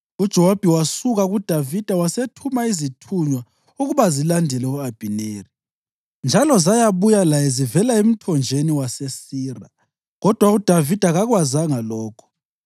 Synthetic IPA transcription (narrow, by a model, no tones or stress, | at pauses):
ud̥ʒ̥ʱɛwab̥ʱiwasuɣaɣud̥ʱavid̥ʱawasetʰumaizitʰuɲwa | uɣuβazilandʱɛlɛuab̥ʱineːri | nd͡ʒʱalɔzajaβujalajɛzivɛlaem̩tʰɔnd͡ʒʱeniwasesiːra | ɣɔd̥ʱwaud̥ʱavid̥ʱaɣaɣwazaŋalɔːkʰɔ̥